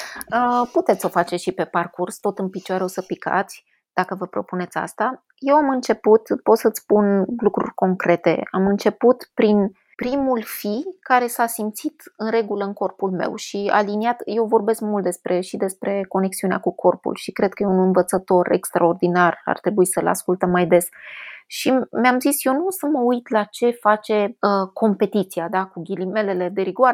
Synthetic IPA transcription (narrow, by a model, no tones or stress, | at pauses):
əput̪et̪sʲo̞fat͡ʃeʃipe̞parkurst̪o̞t̪ɨnpit͡ʃoaɾeo̞səpikʰa̰t̪sʲ | d̪̥akəvəpɾo̞̰pune̞t̪sʲa̰st̪a | je̞wamɨnt͡ʃe̞put̪po̞t̪sət̪sʲpunlukɾṵrʲko̞ŋkɾe̞t̪e̞̰amɨnt͡ʃe̞put̪pɾin | pɾimulfikaɾe̞sasimt̪sit̪ɨnɾe̞ɡuləɨŋko̞rpulme̞̰wʃia̰liniat̪je̞wvo̞rbe̞skmult̪d̪e̞spɾe̞ʃid̪e̞spɾe̞ko̞ne̞ksiunea̰kukʰo̞rpṵlʃikɾe̞d̪̚kəjeunɨnvət̪sət̪o̞rʔe̞̰kst̪ɾao̞rd̪inara̰rt̪ɾe̞buisəla̰skult̪əmːajd̪e̞sʃimeamzisje̞wnusəməujt̪lat͡ʃe̞fat͡ʃe̞əkʰo̞mpe̞t̪it̪siad̪akuɡʲilime̞le̞le̞d̪e̞ɾiɡoaɾe